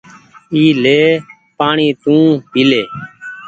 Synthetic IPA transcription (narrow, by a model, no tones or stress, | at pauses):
iːleː | paːɳĩːt̪ũːpiːleː